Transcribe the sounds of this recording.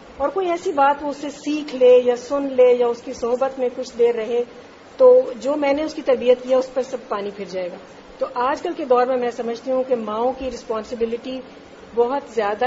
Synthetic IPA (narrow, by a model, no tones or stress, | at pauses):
ɔːɾkoːiɛːsibaːt̪ʋoʊsːesiːkʰlejasʊnleːjaʊskisʊɦbət̪mẽkʊt͡ʃʰd̪eːɾɐɦẽ | t̪oːd͡ʒoːmɛ̃ːneʊskit̪ɐɾbijət̪̚kiaʊspɐɾsɐb̚paːnipʰɪɾd͡ʒaːeːɡaː | t̪oʔaːd͡ʒkɐlked̪ɔːɾmẽmɛ̃ːsɐməd͡ʒʱt̪iɦũkemãːõkiɾɪspɔːnsɪbɪlɪʈi | bɔɦʊt̪zjaːd̪a